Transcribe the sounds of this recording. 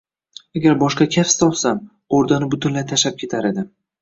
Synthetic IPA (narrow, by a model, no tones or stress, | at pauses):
aɡʲaɾbɒʃqɑkʲʰafst̪ɒlˠsam | oɾd̪anɪbʊt̪ʰʊnlajt̪ʰaʃap̚kʲʰe̞t̪ʰaɾed̪ɪ